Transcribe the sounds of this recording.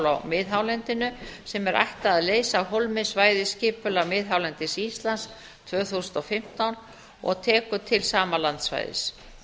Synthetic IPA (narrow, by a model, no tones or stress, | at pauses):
lawmɪːðɦawlɛnt̪ɪnʏsɛmɛɾʔa̰jht̪aːðleːjsaɦolmɪsvaːjðɪscɪːpʏlamɪːðɦawlɛnt̪ɪsist̪lans | t̪ʰv̥œːθusʏnt̪ɔfɪm̥t̪awn | ɔ̰ɣt̪ʰɛːkʏt̪ʰɪlsaːmalant̪sva̰jðɪ̰s